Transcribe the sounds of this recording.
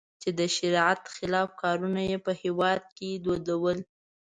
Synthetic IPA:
t͡ʃed̪əʃɪɾat̪xɪlɑfkɑɾunajepəhewɑd̪̚ked̪od̪awəl

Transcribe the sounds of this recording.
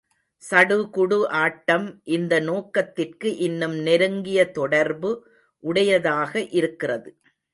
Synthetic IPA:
sɐɽɯkʊɽɯʔaːʈːɐmʔɪnd̪ɐnoːkːɐt̪ːɪrkɯʔɪnːɯmnɪɾɯŋɡɪjɐt̪ɔɽɐɾbɯ | ʔʊɽɐjɐðaːɣɐʔɪɾɯkːɪrɐðɯ

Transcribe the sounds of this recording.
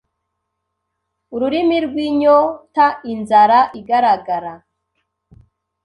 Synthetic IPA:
uɾuɾimiɾɡwiɲotainzaɾaʔiɡaɾaɡaɾa

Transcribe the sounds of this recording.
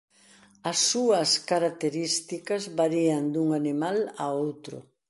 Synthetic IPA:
ɐsːuɐskaɾak̚t̪eɾist̪ikɐzβaɾiand̪uŋanimala̰owt̪ɾʊ̰

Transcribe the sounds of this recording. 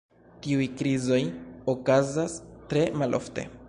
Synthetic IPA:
tiujkɾizo̞jokazastɾe̞malʔo̞̰fte̞̰

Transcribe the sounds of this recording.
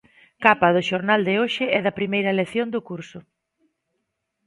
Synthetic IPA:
kapɐðʊʃoɾnald̪ɪoʃɪɛðɐpɾimejɾɐeleθjond̪ʊkuɾsʊ

